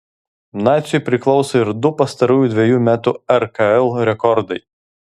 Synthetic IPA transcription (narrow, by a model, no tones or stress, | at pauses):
mnɑːt̪sʲʊpʲɾʲɪklˠɒʊsɐɪɾd̪ʊpɐst̪ɐɾuːjud̪ʲʋʲɛjuːmʲæːt̪uɛɾkɐɛlˠɾʲɛkɔɾd̪ɐɪ